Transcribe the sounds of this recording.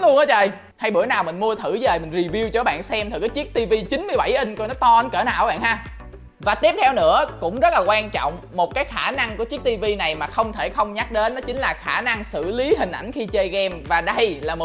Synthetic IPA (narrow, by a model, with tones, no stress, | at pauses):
lə˨˦t͡ɕəː˧˩j | ha˧jɓɨ̰˧˩ənaː˨˩wmï˨˩ŋ̟mu˧ət̪ʰɨ˧˩zəː˨˩jmï˨˩ŋ̟zi˨˩vi˧wt͡ɕɔ˧˦ɓa̰ː˧˨nsɛ˧mt̪ʰɨ˨˩kəː˨˦t͡ɕi˦˥ək̚t̪i˧vi˧t͡ɕï˨˦nmɨ˧əjɓa˧˩jʔi˧ŋ̟kɔ˧jnɔ˨˦t̪ɔ˧˩ʔə˧˦nkəː˧˩na̰ː˧˨wa˧˦ɓa̰ː˧˨ɦaː˧ | vaː˨˩t̪i˦˥əp̚t̪ʰɛ˧wnɨ̰˧˥əkʊ̰˧˥ŋ͡mzə˦˥t̚laː˨˩waː˧nt͡ɕɔ̰˧˨wŋ͡m | mo˨˩t̚kaː˨˦jxaː˧˩na˧ŋku˧˩ət͡ɕi˦˥k̚t̪i˧vi˧na˨˩jmaː˨˩xə˧wŋ͡mt̪ʰe˧˩xə˧wŋ͡mɲa˦˥ɗe˨˦nːɔ˨˦t͡ɕï˨˦ŋ̟laː˨˩xaː˧˩na˧ŋsɨ̰˧˨li˨˦ɦï˨˩ŋ̟ʔa˧˩jŋ̟xi˧t͡ɕəː˧jɣɛ˧mvaː˨˩ɗə˧jlaː˨˩mo˨˩